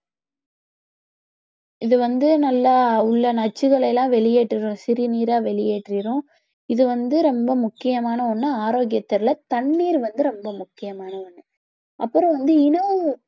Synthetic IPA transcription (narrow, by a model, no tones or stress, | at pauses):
ɪðɯʋɐnd̪ɯnɐlːaːʊɭːɐnɐt͡ʃːɯɣɐɭɐɪlãːʋɛɭɪjeːʈrɪɾʊ̃sɪɾɪniːɾaːʋɛɭɪjeːʈrɪɾʊ̃ | ɪðɯʋɐnd̪ɯɾɔmbɐmʊkːɪjɐmaːnɐɔnːɯaːɾoːɡɪjɐt̪ːɐɾlɐt̪ɐɳːiːɾʋɐnd̪ɯɾɔmbɐmʊkːɪjɐmaːnɐɔnːɯ | ʔɐpːɯɾɔ̃ʋɐnd̪ɯɪnɐ